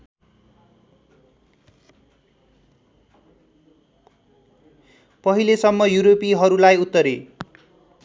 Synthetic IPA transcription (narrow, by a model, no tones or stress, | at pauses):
pʌɦilesʌmːʌjuɾopiɦʌɾulajut̪ːʌɾe